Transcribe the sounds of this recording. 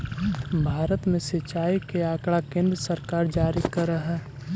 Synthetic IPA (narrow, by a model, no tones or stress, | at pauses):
bʱaːɾət̪mẽsɪt͡ʃaːikeaːkɽakẽːnd̪ɾəsəɾkaːɾd͡ʒaːɾikɐɾəɦɛː